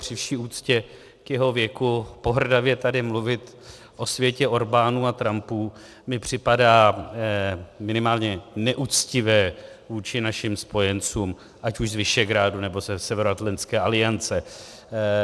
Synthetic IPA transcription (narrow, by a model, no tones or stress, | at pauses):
r̥ɪfʃiːuːt͡scɛ | kjɛɦo̞vjɛkupo̞ɦr̩davjɛt̪adɪmluvɪt̪ | ʔosvjɛcɛʔo̞ɾbaːnuːat̪ɾampuː | mɪpr̝̥ɪpadaː | mɪnɪmaːlɲɛnɛʔuːt͡scɪvɛːvuːt͡ʃɪnaʃɪmspo̞jɛnt͡suːm | ʔacuʒzvɪʃɛɡɾaːdunɛbo̞zɛsɛvɛɾoat̪lɛnt͡sskɛːʔalɪjant͡sɛ